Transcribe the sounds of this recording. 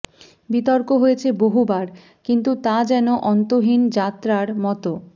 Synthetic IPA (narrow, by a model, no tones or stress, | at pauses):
bit̪ɔɾkoɦojet͡ɕʰeboɦubaɾ | kint̪ut̪ad͡ʑɛnoʔɔnt̪oɦind͡ʑat̪ːɾaɾmɔt̪o